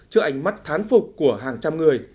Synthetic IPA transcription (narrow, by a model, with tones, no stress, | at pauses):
t͡ɕɨ˧əʔa˧˩jŋ̟ma˦˥t̚t̪ʰaː˨˦nfʊ˨˩k͡p̚kːu˧˩əɦaː˨˩ŋt͡ɕa˧mŋɨ˨˩əj